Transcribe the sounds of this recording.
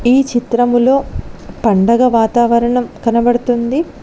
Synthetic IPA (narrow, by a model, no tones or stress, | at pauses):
iːt͡ʃit̪ɾɐmulo̞ːpɐɳɖɐɡɐʋaːt̪aːʋɐɾɐɳɐmkɐnɐbɐɽut̪und̪i